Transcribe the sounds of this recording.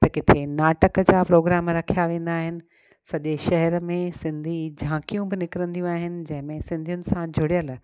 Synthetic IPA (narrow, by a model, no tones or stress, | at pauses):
t̪ɐkɪt̪ʰenaːʈəkəd͡ʑaːpɾoːɡɾaːmɾɐkʰijaʋẽːn̆d̪aːɦɪnɪ̆ | sɐʄeʃɐɦɛɾəmẽsɪ̃nd̪ʱid͡ʑʱãːkijũbɪnɪkɪɾə̃nd̪ijũaːɦɪnɪ̆d͡ʑɐ̃ɦɪ̃mẽsɪ̃nd̪ʱijʊnɪ̆sãd͡ʑʱʊɽijəl